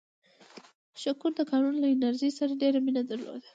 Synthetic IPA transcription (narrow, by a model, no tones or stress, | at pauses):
ʃakuɾd̪əkɑnunlaɪnaɾʒisaɾaɖeɾaminad̪əɾlo̰d̪ḁ